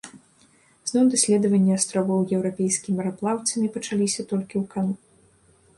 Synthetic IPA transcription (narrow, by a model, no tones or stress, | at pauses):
z̥nɔwd̪asʲlʲɛd̪ɐvɐnʲːiast̪ɾɔvɔwjɛwɾapʲɛjskʲimʲɾaplˠawt̪sʲɐmʲipɐt͡ʂalʲisʲɐt̪ɔlʲkʲiwkanu